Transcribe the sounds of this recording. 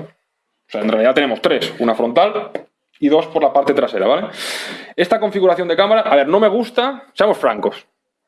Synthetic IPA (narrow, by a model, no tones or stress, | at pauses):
oseaenrealiðat̪e̞ne̞mo̞st̪ɾe̞sunafɾo̞nt̪al | iðo̞spo̞ɾlapaɾt̪e̞t̪ɾase̞ɾaβale̞ | e̞st̪ako̞ɱfiɣuɾaθjo̞nd̪ekamaɾaʔːβe̞ɾno̞me̞ɣ̞ust̪ase̞amo̞sfɾa̰ŋko̞s